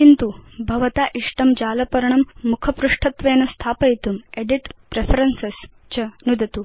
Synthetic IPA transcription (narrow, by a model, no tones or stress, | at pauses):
kint̪ubʱɐʋt̪aʔiʂʈɐmd͡ʑaːlɐpɐɾɳɐmːukʰɐpɾuʂʈʰɐt̪ʋenɐst̪ʰaːpɐjt̪umeɖiʈpɾefʰɾenses | t͡ɕɐnud̪ʱt̪u